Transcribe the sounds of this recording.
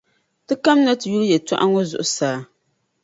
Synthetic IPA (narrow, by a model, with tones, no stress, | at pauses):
tɨ˦ka˦m˦na˦tɨ˨ju˦ɾɨ˦jɛ˨tɔ̰˦ʔa˦ŋɔ˦zʊ̰˨ʔʊ˦saː˦